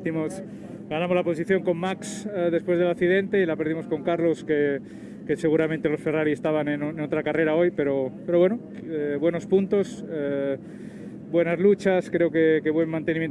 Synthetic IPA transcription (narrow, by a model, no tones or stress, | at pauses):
θimos | ɡanãmo̞zlapo̞siθjo̞ŋko̞mːaksðepweð̞e̞lakθiðe̞nt̪e̞ilape̞ɾðimo̞sko̞ŋkaɾlo̞ske | ke̞se̞ɣuɾamẽnt̪e̞lo̞sfe̞raɾiest̪aβanenono̞t̪ɾakare̞ɾao̞jpe̞ɾo̞peɾo̞βwe̞no | eβwe̞no̞spunt̪o̞se | bwe̞nazlut͡ʃaskɾe̞oke̞keβwe̞nmãnt̪e̞nimjen